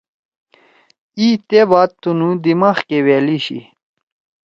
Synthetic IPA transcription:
iːt̪ebaːt̪̚t̪unud̪imaːxkeweːliɕḭ

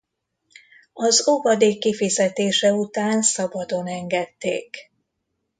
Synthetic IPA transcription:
ɒzovɒd̪eːkːifizɛt̪eːʃɛut̪aːnsɒbɒd̪o̞nɛŋɡɛt̪ːḛːk

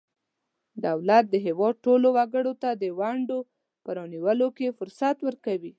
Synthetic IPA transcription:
d̪awlat̪̚d̪əɦewɑd̪̚ʈolowaɡəɽot̪ad̪əwaɳɖo | pəɾɑniwəlokefʊɾsat̪wəɾkawi

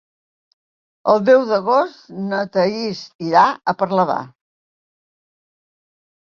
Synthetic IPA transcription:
əlˠd̪ɛwðəɣost̪nət̪əisiɾaəpəɾləβa̰

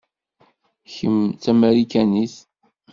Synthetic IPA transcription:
çəmt͡sæmæɾikæniθ

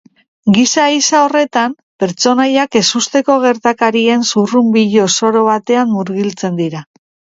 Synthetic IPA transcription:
ɡisaisao̞re̞t̪am | pe̞ɾt͡so̞najake̞sust̪e̞ko̞ɣ̞e̞ɾt̪akaɾie̞nsurumbiʎo̞so̞ɾo̞βat̪e̞amːuɾɣilt͡se̞nd̪iɾa

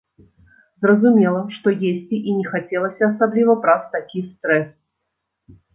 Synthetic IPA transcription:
zrəzʊmʲelˠəʂt̪ojesʲtʲɪʔinʲɪxɐtʲelˠəsʲɐsablʲivəbɾaft̪ɐkʲijst̪ɾɛs

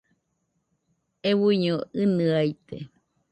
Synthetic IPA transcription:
ewuɲoɨnɨait̪ḛ

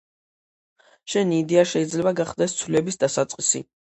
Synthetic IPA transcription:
ʃɛniːd̪ɛaʃɛid̪zlɛbaɡaχd̪ɛst̪sʰwlɛbisd̪asat̪sʼqʼisḭ

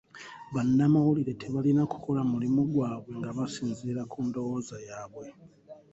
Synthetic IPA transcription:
βanːamawuliɾe̞tʰe̞βalinaku̥ko̞lamulimuɡwaːβwe̞ŋɡaβasiːnziɾakʰuːndo̞wo̞ːzajaːβwe̞

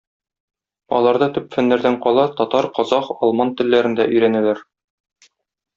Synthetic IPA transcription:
ɒ̰lˠɑɾd̪ɤt̪ɵpfæ̆nːæɾd̪æɴqɒlˠɑt̪ɒt̪ɑɾqɒzɑqɒlˠmɑnt̪ɘ̆lːæɾɘ̆nd̪æʔɵ̆jɾænælæɾ

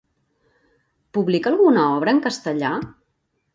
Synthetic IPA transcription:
puβlikəlˠɣunəɔβ̞ɾəːŋkəst̪əʎa

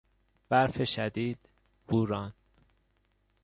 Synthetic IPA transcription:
b̥æɾfeʃæd̪iːd̪̥ | buːɾɒːn

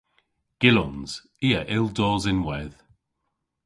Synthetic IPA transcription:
ɡ̥ɪlɔnz̥ | iːəʔɪlˠdɔːzɪnwɛð̥

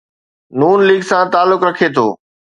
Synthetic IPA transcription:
nuːnliːɡsãːt̪aːlːʊkɾɐkʰet̪ʰo̰ː

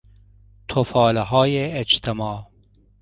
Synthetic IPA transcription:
t̪ʰofɑːlɐɦɑːjeːt͡ʃt̪ʰɐmɑː

